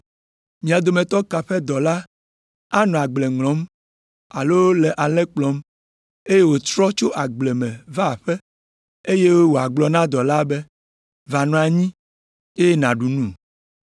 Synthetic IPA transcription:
mĩ˨a˨d̪o˨mẽ˨t̪ɔ˦ka˨ɸɛ˦d̪ɔ˨la˦ | a˦nɔ̃˨a˨ɡ͡ble˨ŋlɔ̃˨˦m | a˨lo˦wlɛ˨ʔa˨lɛ˦k͡plɔ˦m | e˦je˦wo˨t̪ɾɔ˦t͡ʃo˦ʔa˨ɡ͡blɛ˨mɛ̃˨va˦˨ɸɛ˦ | e˦je˦wo˨a˨ɡ͡blɔ˨nã˦d̪ɔ˨la˦be˦ | va˨nɔ̃˨˦a˨ɲĩ˦ | e˦je˦nã˨ɖu˨nũ˦˨

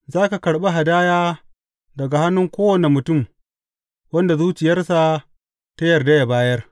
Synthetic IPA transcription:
zaː˦ka˨kɐ˨ɽɓa˦ɦa˨daː˦jaː˦ | dɐ˨ɡa˨ha˦nːʊ˦ŋkʷoː˦wɐ˨ne˨mʊ˨tʊ˦˨m | wɐ˦nda˨zuː˦t͡ʃɪ˨jɐ˦rsa˨ | ta˦jɐ˨rda˦ja˨baː˦jɐ˦r

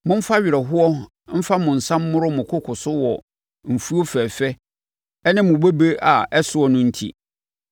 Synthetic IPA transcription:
mʊ̃˦m̩˦fa˦ɥɪ˨ɾɛ˨ɦʊ˦ɔ˦ | m̩˦fa˦mʊ̃˨n̩˨sã˦mː˦ʊ̃˦ɾʊ˦mʊ̃˨kʰʊ˦kʰʊ˨sʊ˦wɔ˨ | m̩˨fu˦o˦fɛ˨fɛ˦ | ɛ˦nɪ̃˦mʊ̃˨be˦be˦ʔa˨ɛ˦sʊ˦ɔ˦nʊ̃˦n̩˦tʰḭ˦

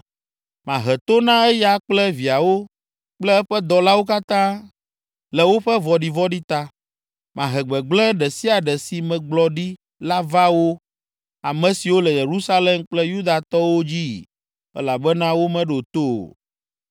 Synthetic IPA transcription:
mã˨ɦɛ˨t̪o˦nã˦ɛ˦ja˦k͡plɛ˦vi˨a˨wo˦ | k͡plɛ˦ɛ˦ɸɛ˦d̪ɔ˨la˦wo˦ka˦t̪ã˦ | lɛ˨wo˦ɸɛ˦vɔ˨ɖi˨vɔ˦ɖi˦t̪a˦ | mã˨ɦɛ˨ɡ͡bɛ˨ɡ͡blɛ̃˦ɖɛ˨si˦a˨ɖɛ˨si˨mɛ̃˨ɡ͡blɔ˨ɖi˦ | la˦va˦wo˦ | a˨mɛ̃˨si˨wo˦lɛ˨je˨ɾu˦sa˦lɛ˦mk͡plɛ˦ju˦d̪a˨t̪ɔ˦wo˦d͡ʑi˦˨ | ɛ̰˦la˨bɛ˦nã˦wo˦mɛ̃˦ɖo˨t̪o̰˦˨

